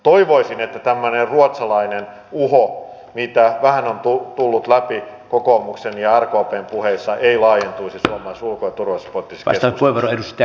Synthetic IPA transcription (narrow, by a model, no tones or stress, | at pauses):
t̪oiʋoisinet̪ːæt̪æmːønerruot̪sɑlɑinen | uho | mit̪æʋæhænont̪ut̪ulːut̪læpi | kokoːmuksenjɑærkoɑːpeːmpuheisːɑʔeilɑːjent̪uisisuomɑisulkojɑt̪urʋɑsport̪isɑ̰kesospueʋoroeɾust̪ːt̪ː